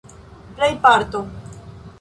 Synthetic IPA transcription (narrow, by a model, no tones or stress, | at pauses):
plejpaɾt̪o